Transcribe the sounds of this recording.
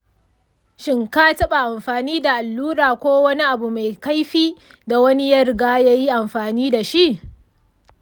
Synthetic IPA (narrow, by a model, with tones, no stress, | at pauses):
ʃɪ˦ŋkaː˦tɐ˦ɓa˨ʔa˨mɸaː˨niː˦da˨ʔa˨lːuː˦ɾaː˨kʷoː˦wɐ˦ni˦ʔa˨bu˨ma˨jka˦jɸiː˦ | da˨wɐ˦ni˦jɐ˦rɡaː˦ja˦ji˦ʔa˨mɸaː˨niː˦da˨ʃi˦ʔ